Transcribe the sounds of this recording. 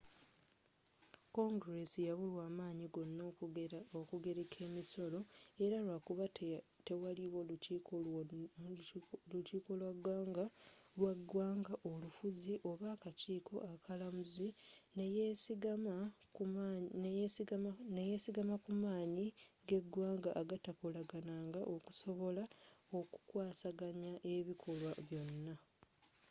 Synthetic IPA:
ko̞ŋɡɾe̞sijaβulwaːmaːɲiɡo̞nːo̞ːokuɡe̞ɾekʰe̞ːmiso̞lo̞e̞ɾalwakuβat | te̞waliβo̞luciːkʰo | lutiːko̞lwaɡwaːŋɡalwaɡwaːŋɡaʔo̞lufuziʔo̞βaːkaciːkʰo̞̰ʔakʰalamuzinejesiɡamaknejesiɡneje̞siɡamakumaːɲiɡe̞ɡwaːŋɡaʔːɡatakolaɡanaːŋɡaʔo̞ku̥so̞βo̞lao̞ku̥kwaːsaɡaɲaʔe̞βikʰo̞lwaβjo̞nːa

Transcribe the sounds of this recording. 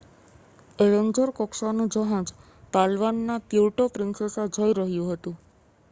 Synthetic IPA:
eɾəŋd͡ʒoɾkɔksanũd͡ʒəɦãd͡ʒ | t̪alʋanːat̪iwʈopɾɪŋsəsad͡ʒojɾəɦjũɦət̪ũ

